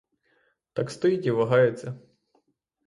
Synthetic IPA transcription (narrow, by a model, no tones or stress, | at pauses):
t̪ɑkst̪ɔjitʲiʋɐɦɑjet͡sʲːɐ